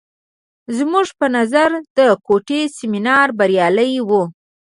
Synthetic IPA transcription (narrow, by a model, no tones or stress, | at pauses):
zmuʒpənazaɾd̪̥əkoʈesɪminɑɾbaɾjɑləjwu